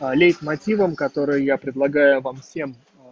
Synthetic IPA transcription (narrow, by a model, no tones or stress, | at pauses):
lʲejt̪mɐtʲivəmkɐt̪o̞ɾɨjjapɾʲɪd̪lˠɐɡajʊvamfsʲe̞m